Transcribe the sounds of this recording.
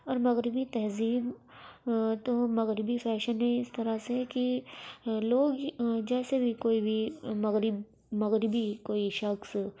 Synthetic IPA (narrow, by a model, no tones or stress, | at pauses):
ɔːɾmɐɣɾɪbit̪ɛɦziːb | t̪omɐɣɾɪbifɛːʃənɦɛ̃ɪst̪ɐɾaseki | loːɡd͡ʒɛːsebʱikoːibʱimɐɣɾɪb | mɐɣɾɪbikoːiʃɐxs